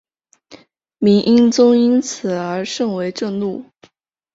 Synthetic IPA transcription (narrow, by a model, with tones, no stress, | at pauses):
mi˧˥ŋʔi˥nt͡sʊ˥ŋi˥nt͡sʰɹ̩˨˩ə˞˧˥ʂɤ˥˩ŋwe˧˥ɪʈ͡ʂɤ˥˧ŋlu˥˩